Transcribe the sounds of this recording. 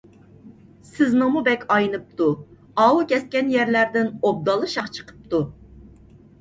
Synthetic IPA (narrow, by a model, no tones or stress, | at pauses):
sɪznɨmubɛkʲʰɑjnɨp̚t̪u | ɑwukʲʰɛs̚kʲɛnjɛɾlæɾd̪ɪnob̚d̪ɑlˠɨʃɑqt͡ʃʰə̥qʰə̥p̚t̪u